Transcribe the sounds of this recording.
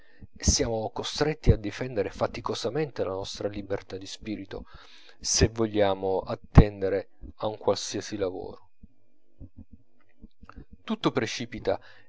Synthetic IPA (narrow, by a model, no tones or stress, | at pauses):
esːjaːmokost̪ɾet̪ːiad̪ːifɛnd̪eɾefat̪ikozament̪elanɔst̪ɾalibert̪ad̪ispiːɾit̪o̰ | sevoʎːaːmoat̪ːɛnd̪eɾe | auŋkwalsiasilavo̰ːɾo | t̪ut̪ːopɾet͡ʃiːpit̪a